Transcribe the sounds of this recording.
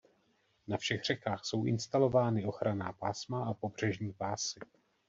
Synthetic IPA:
nafʃɛɣr̝̥ɛkaːxso̞wʔɪ̰nst̪alo̞vaːnɪo̞xɾana̰ːpaːsmaapo̞br̝ɛʒɲiːpaːsɪ

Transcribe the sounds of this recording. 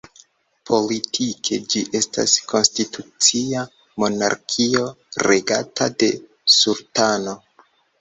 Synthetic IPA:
pʰo̞litʰikʰe̞d͡ʒiʔe̞sta̰skʰo̞nstitʰut͡sia | mo̞na̰ɾkʰio̞ | ɾe̞ɡa̰tʰade̞ | sultano

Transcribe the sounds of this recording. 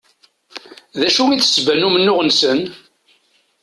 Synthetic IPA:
ðæʃuiθsbænumənːʊʁənsən

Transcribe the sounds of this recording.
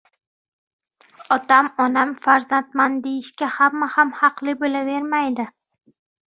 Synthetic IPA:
ɒt̪amɒnamfaɾzant̪mand̪ejɪʃkʲahamːahamhɑqlɪbolave̞ɾmajd̪ɪ

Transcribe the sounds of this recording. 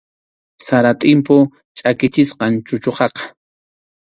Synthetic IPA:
saɾat̪ʼɪmpʊ | t͡ʃʼakɪt͡ʃɪsqɑnt͡ʃʊt͡ʃoqɑqɑ̥

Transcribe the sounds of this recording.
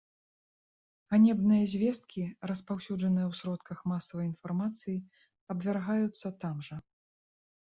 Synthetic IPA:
ɣanʲɛbnɨjɐzʲvʲɛst̪̚kʲiɾɐspawsʲud͡ʐɐnɨjɐwsɾɔt̪kɐxmasɐvɐjinfarmat̪sɨji | ɐbvʲarɣajut̪sːɐt̪amʐɐ

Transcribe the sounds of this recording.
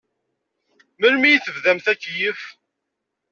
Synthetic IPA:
məlmijθəvðæmθækːjəf

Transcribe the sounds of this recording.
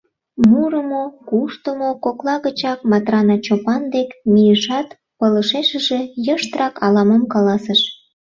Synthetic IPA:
muɾəmokuʃt̪əmokoklɑɣət͡ɕɑkmɑt̪rɑnɑt͡ɕopɑnd̪ekmijəʃɑt̪ | pələʃeʃəʒejəʃt̪rɑkɑlɑməmkɑlɑsəʃ

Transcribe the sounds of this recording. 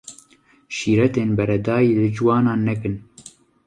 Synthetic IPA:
ʃiːɾɛt̪eːnbɛɾɛd̪aːjiːlɨd͡ʒɨwɑːnɑːnːɛkɨn

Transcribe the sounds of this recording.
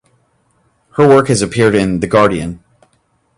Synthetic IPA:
hə˞wɜ˞khɨzɨpʰɪɹɾɪ̃nðɨɡɑɹɾiɨ̰̃n

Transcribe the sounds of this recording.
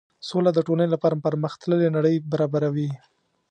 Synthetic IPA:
solad̪əʈolənelapaɾapəɾməxt̪ləlenaɽəjbaɾɑbaɾawi

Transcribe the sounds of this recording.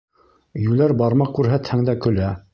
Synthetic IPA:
jʉlæɾbɑɾmɑkʉɾɦæt̪hæŋd̪ækɵ̆læ

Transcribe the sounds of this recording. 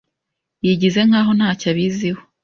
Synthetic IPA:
jiɟize̞ŋaːɦo̞n̥haːcaβiziho

